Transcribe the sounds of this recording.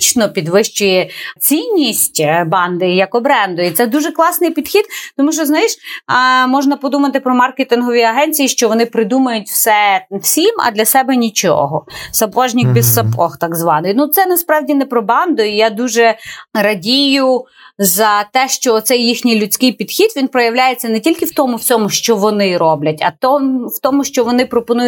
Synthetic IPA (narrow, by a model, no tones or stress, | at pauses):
t͡ʃnɔpʲid̪ʋɪʃt͡ʃʊjɛt͡sʲinʲːisʲtʲbɑnd̪ɪjɐkɔbɾɛnd̪ɔjit̪sɛd̪uʒɛklˠɑsnɪjpʲid̪xʲid̪̚t̪ɔmuʃt͡ʃɔznɐjiʃ | mɔʒnɐpɔd̪umɐt̪ɪpɾɔmɑrket̪ɪnɦɔʋʲiɐɦɛnʲt͡sʲijiʃt͡ʃɔʋɔnɪpɾɪd̪umɐjʊt̚ʲwsɛwsʲimɐ̰d̪lʲɐsɛbɛnʲit͡ʃɔ̰ɦɔsɐpɔʒnʲɪkbʲissɐpɔxt̪ɑɡzʋɑnɪjnut̪sɛnɐspɾɑwdʲinɛpɾɔbɑnd̪ɔijad̪uʒɛɾɐdʲijʊ | zɐt̪ɛʃt͡ʃɔːt̪sɛjːixnʲɪjlʲʊt͡sʲkɪjpʲid̪̥xʲid̪ʋʲinpɾɔjɐwlʲajet͡sʲːɐnɛtʲilʲkɪwt̪ɔmʊwsʲɔmʊʃt͡ʃɔʋɔnɪɾɔblʲɐtʲɐ̰t̪ɔwt̪ɔmʊʃt͡ʃɔʋɔnɪpɾɔpɔnujʊ